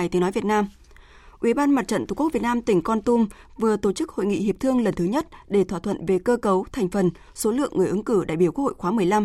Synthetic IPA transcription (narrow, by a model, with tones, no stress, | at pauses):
jt̪ənɔ˨˦jvi˨˩ət̚naː˧m | ʔwi˧˩ɓaː˧nma˨˩t̚t͡ɕə̰˧˨nt̪u˨˧˩kk̚vi˨˩t̚naː˧mt̪ï˧˩ŋ̟kɔ˧nt̪u˧m | vɨ˨˩ət̪o˧˩t͡ɕɨ˦˥k̚ho̰˧˨jŋḭ˧˨ɦi˨˩əp̚t̪ʰɨ˧əŋlə˨˩nt̪ʰɨ˨˦ɲə˦˥t̚ɗe˧˩t̪ʰwaː˧˩t̪ʰwə̰˧˨nve˨˩kəː˧kə˨˦wt̪ʰɛ˨˩jŋ̟fə˨˩n | so˨˦lɨ̰˧˨əŋːɨ˨˩əʔɨ˨˦ŋkɨ˧˩ɗa̰˧˨jɓi˧˩ku˥ək̚ho̰˧˨jxwaː˨˦mɨ˨˩əjla˧m